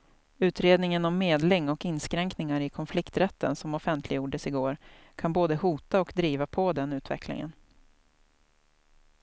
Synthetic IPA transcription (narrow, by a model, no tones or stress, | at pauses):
ʉ̟ːt̪ɾeːd̪nɪŋənɔmːeːd̪lɪŋːɔkɪnskɾɛŋknɪŋaɾɪkʰɔnflɪkt̪ɾɛt̪ʰːə̰nsɔmɔfɛnt̪ʰlɪɡjuːɖəsɪɡoːɾ | kʰanboːd̪əhuːt̪aɔkd̪ɾiːvapʰɔd̪ɛnʉ̟ːt̪vɛ̰klɪ̰ŋə̰n